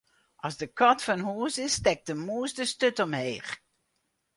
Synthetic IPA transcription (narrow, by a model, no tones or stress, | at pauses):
ʔɑzdəkɔtfɔnɦuːsɪstɛk̚dəmuːsdəstøtɔmheːχ